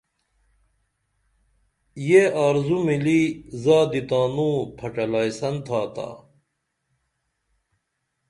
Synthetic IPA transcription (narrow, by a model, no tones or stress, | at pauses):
jeaːɾzumilizaːd̪it̪aːnũːpʰɐʈɐlajsɐnt̪ʰaːt̪a̰ː